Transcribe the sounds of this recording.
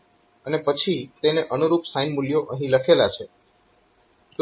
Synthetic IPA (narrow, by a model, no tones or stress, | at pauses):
ənepət͡ʃʰit̪eneʔənuɾupsajnmuljoʔəɦĩləkʰelat͡ʃʰe | t̪